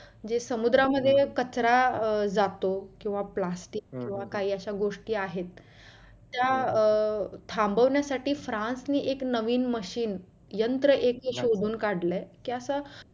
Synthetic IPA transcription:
d͡ʑesəmud̪ɾaməd̪ʱːjekət͡sɾad͡zat̪okĩw̃ʋaplasʈiːkːĩw̃ʋakaɦiːəɕaɡoʂʈiːaɦet̪̚ː | ja | t̪ʰambʱəʋnjasaʈiːfɾãnsniːʔeknəʋiːnməɕiːn | jənt̪ɾəʔekiɕod̪ʱuːnkaɽlɛkiːəsa

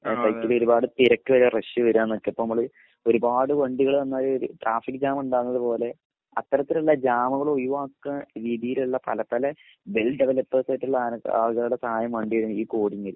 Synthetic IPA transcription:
sɐjkːilo̞ɾubaːɽɨt̪iɾɐkːɨʋɐɾureʂɨʋɐɾuaːnːokːeɐpːonmɐmːɐɭ | o̞ɾubaːɽɨʋɐɳɖiɣɐɭʋɐnːaːɾuɾṵʈrʔaːfikːɨd͡ʑaːmuɳɖaːnːɐðɨpo̞ːle̞ | ɐt̪ːɐɾɐt̪ːilɐlːad͡ʑaːmɐɣɐɭojuʋaːkːɐɾiːðijiluɭːɐpɐ̰lɐpɐlɐ | belɖeʋɐlɐpːɐːsɐːtːuɭːaːa̰ːlɣɐɭuɽe̞sɐhaːjɐmʋɐɳɖiʋɐɾnːiːkoːɽiŋːil

